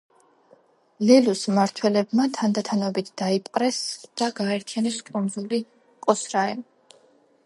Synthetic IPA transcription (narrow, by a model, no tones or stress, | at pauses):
lɛlusmaɾt̪ʰwɛlɛbmat̪ʰand̪at̪ʰanɔbit̪ʰd̪̥aipʼqʼɾɛsd̪̥aɡaɛɾt̪ʰijanɛskʼund̪zuli | kʼɔsɾaɛm